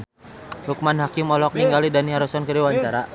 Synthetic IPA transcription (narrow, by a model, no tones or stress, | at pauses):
hukumanɦakimɔlɔk̚niŋɡalidaniɦaɾusɔnkəɾiwaɲt͡ʃaɾa